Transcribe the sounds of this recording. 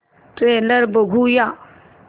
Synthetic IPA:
ʈɾeːləɾbəɡʱuja

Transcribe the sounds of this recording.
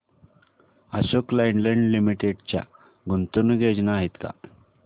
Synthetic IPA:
əɕoklaiɳɖləɳɖlimiʈeɖt͡ɕja̰ | ɡunt̪unuɡʱed͡ʑnaɦit̪ka̰

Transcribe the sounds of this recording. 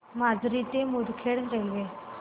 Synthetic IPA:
mad͡zʱɾit̪emud̪kʰeɽɾəɦiʋe

